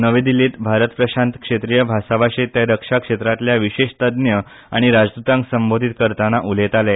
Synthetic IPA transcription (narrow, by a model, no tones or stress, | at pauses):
nəʋed̪iliːt̪bʱaɾət̪pɾəɕant̪kʂet̪ɾijəbʱasaʋaɕet̪jaɾəkʂakʂet̪ɾat̪ljaʋiɕeɕt̪əd̪njə | aɽ̃iɾad͡zd̪ut̪ãŋksəmbod̪ʱit̪kəɾt̪anaʔulet̪ale